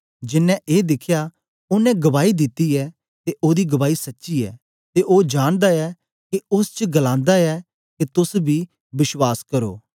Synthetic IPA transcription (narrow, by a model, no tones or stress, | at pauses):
d͡ʒɪnːɛ̃ʔeːd̪ɪkʰjaː | ʊnɛ̃ɡɐβaːid̪ɪt̪ːiɛː | t̪eʔoːd̪iːɡɐbaːisɐtːʃiːɛ̰ː | t̪eʔoːd͡ʒaːɽ̃d̪aɛː | keʊst͡ʃəɡɐlãːnd̪aɛː | ket̪ʊsbʱiː | bɪʃwaːskɐɾo̰ː